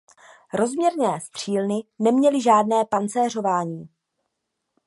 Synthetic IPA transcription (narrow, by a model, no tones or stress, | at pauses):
ɾo̞zmɲɛɾnɛːst̪r̝̥iːlnɪnɛmɲɛlɪʒaːdnɛːpant͡sɛːr̝o̞vaːɲiː